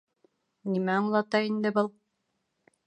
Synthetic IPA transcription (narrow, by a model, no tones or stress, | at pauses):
nimæɑɴlˠɑt̪ɑind̪ɘbɤlˠ